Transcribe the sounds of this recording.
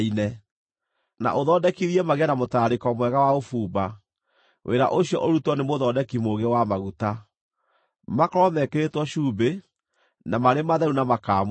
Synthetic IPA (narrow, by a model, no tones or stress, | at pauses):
inɛ | na̰ʔoðɔːdɛkiɾiɛmaɣeanamotaːɾekɔmwɛɣawaofuːba | wʔeɾa̰ʔoɕiɔ̰ʔoɾutwɔnemoðɔːdɛkimoɣewamaɣuta | makɔɾɔmɛkeɾetwɔɕuːbe | namaɾemaðɛɾunamakaːm